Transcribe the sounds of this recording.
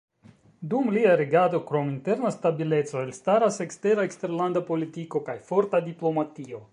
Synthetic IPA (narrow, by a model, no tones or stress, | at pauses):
dumliaɾeɡado̞kɾo̞minte̞ɾnastabile̞t͡so̞elstaɾase̞kste̞ɾaekste̞ɾlandapo̞litiko̞kajfo̞ɾtadiplo̞matio